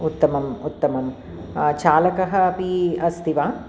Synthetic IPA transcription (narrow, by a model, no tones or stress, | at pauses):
ut̪ːɐmɐmut̪ːɐmɐm | t͡ʃaːlɐkɐɦɐɐpiɐst̪ʰiʋaː